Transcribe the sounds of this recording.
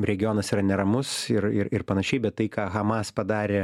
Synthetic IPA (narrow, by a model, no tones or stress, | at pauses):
ɾʲɛɡʲɪjoːnɐsiːɾɐnʲɛɾɐmʊsɪɾɪɾɪrpɐnɐʃʲɛɪbʲɛt̪t̪ːɐɪkɑːɣɐmɑːspɐd̪ɑːɾʲeː